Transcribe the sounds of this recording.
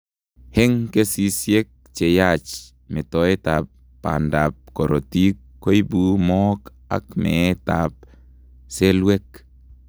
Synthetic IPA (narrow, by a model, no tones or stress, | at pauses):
heŋkesisjek̚t͡ʃejat͡ʃ | metoetapː | a̰ndap̚koɾotikːojbumok | a̰kmetap̚ | selwek